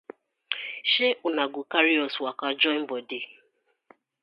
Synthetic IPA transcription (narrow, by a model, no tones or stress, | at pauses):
ʃeʔʊnaɡʊkaɾiɔswakad͡ʒɔm̩bɔde